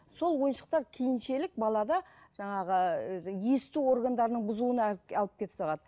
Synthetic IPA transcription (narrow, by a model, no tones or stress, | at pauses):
so̞lˠwo̞jənʃə̥q̚t̪ɑɾkʲʰejɪnʃe̞lɪk̚bɑlˠɑd̪ɑ | ʒ̥ɑɴɑʁəje̞st̪uo̞rɡand̪ɑɾənəɴbʊzuənɑlˠəp̚kʲʰe̞sɑʁɑd̪ə